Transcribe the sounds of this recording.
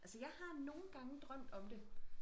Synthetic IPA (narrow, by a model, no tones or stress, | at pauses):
ælsəjɑ̈ɪhɑ̈no̝ːn̩ɡ̥ɑ̈ŋəd̥ʁɶm̰d̥ɒ̽md̥e̝